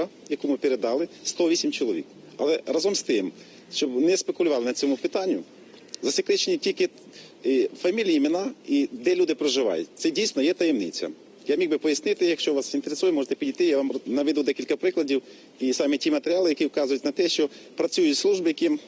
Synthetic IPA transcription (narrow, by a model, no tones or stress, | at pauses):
ɐjɐkumɪpeɾed̪ɑlˠɪst̪ɔʋʲisʲimt͡ʃɔlˠɔʋʲḭk | ɐ̰lˠɛɾɑzɔmst̪ɪm | ʃt͡ʃɔbnɛspekʊlʲʊʋɑlˠɪnɐt͡sʲɔmʊpɪt̪ɑnʲːʊ | zɐsʲɪkɾɪt͡ʃenʲitʲilʲkɪ | fɐmʲilʲijimɪnɑid̪ɛlʲud̪ɪpɾɔʒɪʋɑ̰jʊ̰t̚ʲt̪sɛdʲijsʲnɔjɛt̪ɐjemnɪ̰t͡sʲːɐ̰ | jamʲiɡbɪpɔjɐsʲnɪt̪ɪjɐkʃt͡ʃɔʋɑsint̪eɾesujɛmɔʒet̪ɛpʲidʲijt̪ɪjaʋɑmnɐʋʲɪd̪ud̪ɛkʲilʲkɐpɾɪklˠɐdʲiw | isɑmɪtʲimɐt̪eɾʲɪalˠɪjɐkʲiwkɑzʊjʊtʲnɐt̪ɛʃt͡ʃɔ | pɾɐt͡sʲujʊtʲslˠuʒbɪjɐkʲi